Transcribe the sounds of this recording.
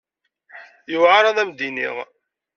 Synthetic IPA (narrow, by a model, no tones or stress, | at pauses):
juvʕaɾˤɑðˤæmd̪inḭʁ